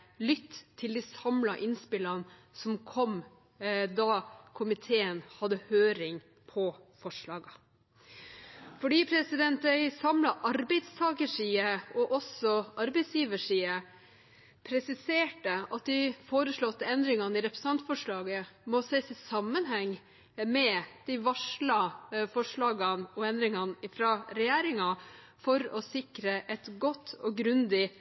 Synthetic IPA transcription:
lʏt̪ːt̪ʰːɪld̪isɑmlɑʔɪnspɪlɑnsɔmkʰɔm | d̪ɑkʰʊmɪt̪ʰeːənhɑd̪ːəhøːɾɪŋ | pʰɔfɔʂɭɑːɡɑ | fɔɖiːpʰɾɛsɪd̪ɛnt̪æɪsɑmlɑʔɑɾbɛɪd̪st̪ʰɑːkəʂiːəɔʔɔsɔʔɑɾbɛɪsjiːʋəʂiːə | pʰɾɛsɪseːʈəɑt̪̚d̪ɪfoːɾəʂɭɔt̪ːəɛnd̪ɾɪŋɑnɪɾɛpɾə̥sn̩ɑnt̪fɔʂɭɑːɡəmɔsɛːsɪsɑmːənɦɛŋ | mɛd̪̥ɪʋɑʂlɑfɔʂɭɑːɡɑnɔɛnd̪ɾɪŋɑnɪfɾɑɾɛjæːɾɪŋɑ | fɔɾɔsɪkɾəʔɛt̪ɡɔt̪ʰːɔɡɾʉnd̪ɪ

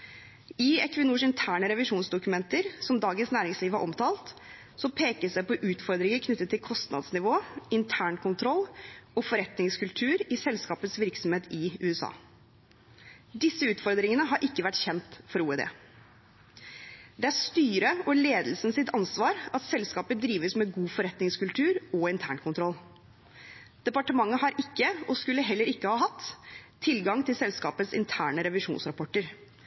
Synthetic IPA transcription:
ɪɛkʋənuːʂɪnt̪ʰæːɳəɾɛʋɪʂuːnsd̪ʊkʉmɛnt̪əɾsɔmd̪ɑːɡənsnæːɾɪŋsliːʋhɑɾʔɔmt̪ʰɑːlt̪ | sɔpʰeːkəsd̪ɛpɔʔʉːt̪fɔɾd̪ɾɪŋəkʰnʉt̪ːət̪ʰːɪlkʰɔst̪nɑ̰d̪snɪʋoːɪnt̪ʰæːɳkʰʊnt̪ʰɾɔlːɔfɔɾɛt̪nɪŋskʰʉlt̪ʰʉːɾɪsɛlskɑːpət̪sʋɪɾksɔmheːt̪ɪʉːɛsɑ̰ː | d̪ɪsːəʉːt̪fɔɾd̪ɾɪŋənəɦɑɾʔɪkːəʋæʈçɛnt̪fɔɾuːɛd̪ḛː | d̪ɛæɾst̪yːɾəɔleːd̪l̩snsɪt̪ɑnsʋɑːɾɑt̪sɛlskɑːpəd̪ɾiːʋəsmɛɡuːfɔɾɛt̪nɪŋskʉlt̪ʰʉːɾɔɪnt̪ʰæːɳkʰʊnt̪ʰɾɔl | d̪̥ɛpɑʈəmɑŋːəɦɑɾʔɪkːəɔskʉlːəɦɛlːəɾɪkːəhɑːɦɑt̪ʰː | ɪlɡɑŋt̪ʰɪlsɛlskɑːpət̪sɪ̰nt̪ʰæːɳəɾɛʋɪʂṵːnsɾɑpʰɔʈːəɾ

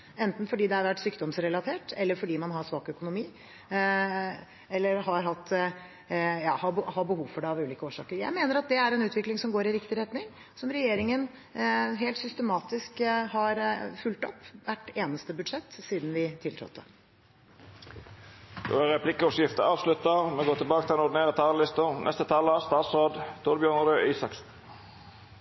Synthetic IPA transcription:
ɛnt̪n̩fɔɖiːd̪ɛæɾʋæʈsyːkd̪ɔmsɾɛlɑt̪ʰeːʈɛlːəɾfɔɖiːmɑnɦɑsʋɑːkœkʊnʊmiː | ɛlːəɾɦɑɾɦɑt̪ː | jɑ̰ːhɑbhɑbəhuːʋfɔɖɛɑʋʉːliːkəoːʂɑːkəɾjæ̰ɪmeːnəɾɑt̪̚d̪ɛæɾɛnʉːt̪ʋɪklɪŋsɔmɡoːɾɪɾɪkt̪ɪɾɛt̪nɪŋ | sɔmɾɛjeːɾɪŋən | ɦeːlt̪sʏst̪əmɑːt̪ɪskhɑɾfʉlt̪ɔ̰pːʋæʈːeːnəst̪əbʉd̪ʂɛt̪ːsiːd̪n̩ʋɪt̪ʰɪlt̪ʰɾɔ̰t̪ːə̰ | d̪̥o̰ːæɾɛpʰlɪkəɔsjɪft̪əɑːʋslʉt̪əʁmɛɡoːt̪ʰɪlbɑːkət̪ʰɪlɛnʊd̪neːʁət̪ʰɑːllɪst̪ənʔɛ̰st̪ət̪ʰɑləst̪ɑːt̪soːd̪t̪ʰʊɾbjœːʁnəɾøːʔiːsɑksn

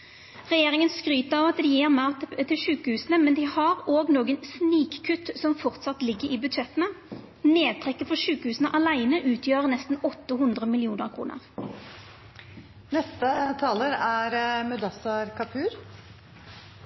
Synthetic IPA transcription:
ʁɛjeːʁɪŋənskʁyːt̪əɑʋɑt̪d̪ɪjeːʁmɑt̪ʰɪlʃʉːkəhʉːsənəmɛnd̪ɪhɑʁoːɡnoːɡənsniːkkʰːʉt̪sɔmfɔʁt̪sɑt̪lɪɡːəɾiːbʉd̪ʃɛt̪ːənə | neːd̪̚t̪ʰʁɛkːəfɔʃʉːkəhʉːsənəʔɑlæɪnəʔʉːt̪ʰjøːʁəʁnɛst̪n̩ɔt̪ːəɦʉnd̪ʁəmɪlɪuːnəʁkʰʁṵːnə̰ʁ | nɛst̪ət̪ʰɑːləɾæɾmœd̪ɑsɑɾkʰɑpʰʉːɾ

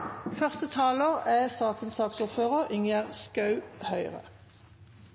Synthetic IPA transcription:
fœʁst̪ət̪ʰɑːləʁæːsɑːkənsɑːksʊʁføːʁəʁɪŋəʁskɑʉhœʏʁə̰

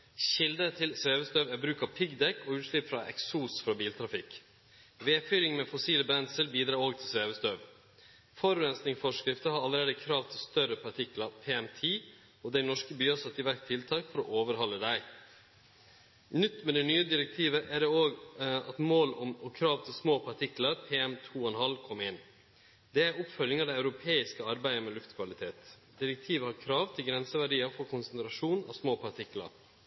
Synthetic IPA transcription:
ɕɪld̪ət̪ʰɪlsʋeːʋəst̪œʋæbɾʉːkɑʋpʰɪɡd̪ɛkːɔʉːt̪ʂɭɪpːfɾɑʔɛ̰ksuːsfɾɑbiːlt̪ʰɾɑfɪk | ʋeːfyːɾɪŋmɛfɔsiːləbɾɛnsəɾbiːd̪ɾɑːɾoːɡ̚t̪ʰɪlsʋeːʋəst̪œʋ | fɔɾʉɾɛnsnɪŋfɔʂkɾɪft̪əhɑɾɑləɾeːd̪əkʰɾɑːʋt̪ʰɪlst̪œɾəpʰɑʈʰɪklɑpʰeːɛmt̪ʰiː | ɔd̪æɪnɔʂkəbyːɑsɑt̪ːɪʋæɾkt̪ʰɪlt̪ʰɑːkfɔɾɔ̰ːʔoːʋəɾɦɑlːəd̪æɪ | nʏt̪ːmɛd̪ɛnyːəd̪ɪɾɛk̚t̪ʰiːʋəʔæɖɛoːɡɑt̪moːlɔmɔkʰɾɑːʋt̪ʰɪlsmoːpʰɑʈʰɪkləɾpʰeːɛmt̪ʰuːɔɛnhɑlkʰɔmːeːn | d̪ɛæɾʊpfœljɪŋɑʋd̪ɛɪʉɾʊpʰeːɪskəɑɾbæɪəmɛlʉft̪kʰʋɑlɪt̪ʰeːt̪ | d̪ɪɾɛk̚t̪ʰiːʋəhɑɾkʰɾɑːʋt̪ʰɪlɡɾɛnsəʋæɖiːɑfɔɾkʰʊnsənt̪ʰɾɑʂuːnɑ̰ʋsmoːpʰɑʈʰɪklə̰ɾ

